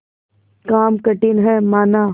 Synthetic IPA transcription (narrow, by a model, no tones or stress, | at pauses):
kaːmkɐʈɪnɦɛmaːnaː